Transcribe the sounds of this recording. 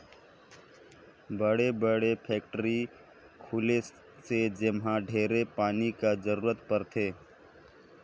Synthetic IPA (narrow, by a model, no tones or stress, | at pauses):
bəɽebəɽepʰɛːk̚ʈəɾi | kʰuːle | sed͡ʒɪmɦãɖʱeːɾepaːnikad͡ʒəɾuːɾət̪pəɾt̪ʰeː